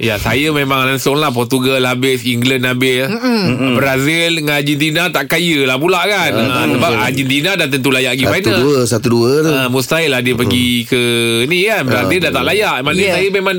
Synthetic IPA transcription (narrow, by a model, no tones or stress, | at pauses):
jasajəmemãŋlansʊŋlahp̬ɔrt̪uɡalhabɪsiŋɡlənːabɪ | bɾazilŋad͡ʒind̪inat̪aʔkajəlahbulaʔkanəsəbapad͡ʒid̪inadat̪ənt̪ulajaʔɡifanəəsat̪uduət̪must̪ailadiəpəɡikənikanbəɾazildat̪aʔlajaʔmanəsajəmemãŋ